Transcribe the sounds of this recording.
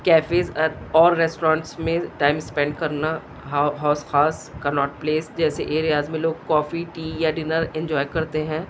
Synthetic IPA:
kɛːfeːzɔːɾːɛsʈoɾãːɳʈsmẽʈaːɪmspɛ̃ɳɖ̚kɐɾna | ɦɦaːsxaːskɐnɔːʈ̚pleːsd͡ʒɛːseʔeːɾijaːzmẽloːɡ̚kɔːfiʈiːjaɖɪnəɾɛ̃ɲd͡ʒɔːjkɐɾt̪eɦɛ̃ː

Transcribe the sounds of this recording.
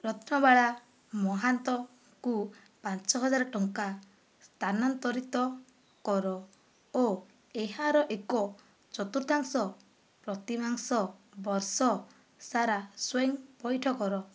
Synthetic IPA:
pɾɔt̪ʰnɔbaɭa | mɔɦant̪ɔ | ku | pant͡ʃɔɦɔd͡ʒaɾɔʈɔŋka | st̪ʰanant̪ɔɾit̪ɔ | kɔɾɔ | o | eɦaɾɔʔekɔ | t͡ʃɔt̪uɾt̪aŋsɔ | pɾɔt̪imaŋsɔbɔɾsɔ | saɾaswejŋpɔjʈʰɔkɔɾɔ

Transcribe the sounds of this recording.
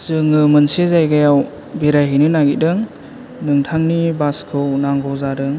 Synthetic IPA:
z̥ɯŋɯmɯnsezajɡajaw | beɾaɦinɯnaɡidɯŋ | nɯŋtʰaŋnibaskʰɯwnaŋɡɔwzaɾɯŋ

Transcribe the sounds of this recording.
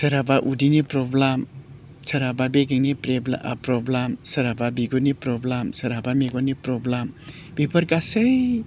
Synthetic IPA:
sɐɾabaʔudinipɾɔblam | saɾababeɡeŋnipɾeblpɾɔblamsɐɾababiɡɔnipɾɔblamsaɾabameɡɔnipɾɔblam | b̥ibʰaɾkasej

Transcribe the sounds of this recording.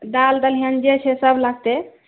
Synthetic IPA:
d̪ald̪əlɦənd͡ʒet͡ʃʰɛsəblaɡ̚t̪e

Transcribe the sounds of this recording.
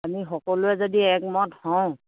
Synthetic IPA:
amixɔkɔlʊɛzodiɛkmɔthɔʊ̃

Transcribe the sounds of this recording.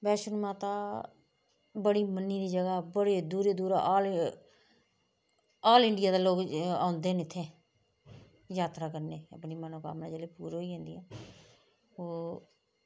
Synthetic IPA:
bɛːʃənmãːt̪aː | bəɽiːmənːiːd̪iːd͡ʒəɡaːbəɽeːd̪uːɾeːd̪uːɾaːʔaːl | aːlɪɳɖɪjaːd̪aːloːkã̰ːʊnd̪eːnɪt̪ʰːẽː | jaːt̪ɾaːkəɾneːə̰pniːmənoːka̰ːmnãːd͡ʒeːleːpuːɾɦoːiːãːnd̪iːãː | oː

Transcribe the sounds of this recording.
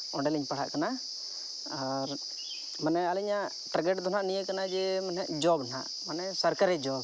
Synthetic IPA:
ɔ̃ɖɛliɲpaɽ̤a̰ʔkana | aɾ | manɛalɛɲaʔ | ʈɾaɡɛʈd̪ɔnaʔnijəkanad͡ʒɛmanɦɛʔd͡ʒɔbna̰ʔ | manɛsaɾkaɾɛd͡ʒɔb

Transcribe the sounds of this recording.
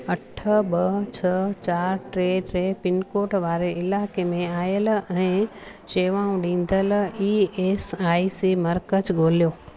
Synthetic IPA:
ɐʈʰəbət͡ɕʰət͡ɕaːɾʈɾeːɖɾepɪnkoːʈʋaːɾeɪlaːkemẽaːjəl̆ɛ̃ːʃeːʋãːũɖĩːn̆d̪əliːeːsaːisimɐɾkət͡ʃɡoːlijoː

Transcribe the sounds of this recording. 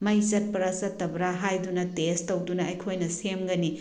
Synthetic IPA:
mɐjsɐt̚pɐɾɐsɐtːɐbɾaɦajdunɐtestɐwdunɐɐjkʰojnɐsemɡɐni

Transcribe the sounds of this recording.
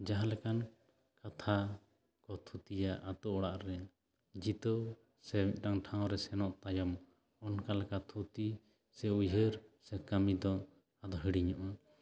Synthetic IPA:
d͡ʒaɦãlɛkan | kat̪ʰa | kɔt̪ʰut̪ijaʔat̪ɔɔɽaʔɾɛ | d͡ʒit̪əw | sɛmit̪̚ˀʈaŋʈʰãw̃ɾɛsɛnɔʔt̪ajɔm | ɔnkalɛkat̪ʰut̪i | sɛujɦəɾsɛkamid̪ɔ | ad̪ɔɦəɽiɲɔʔa

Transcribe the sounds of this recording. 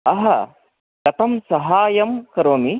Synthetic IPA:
ɐɦɐ | kɐt̪ɐmsɐɦaːjɐmkɐɾoːmi

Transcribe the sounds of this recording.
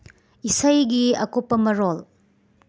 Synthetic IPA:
isɐjɡiɐ̰kopːɐmɐɾol

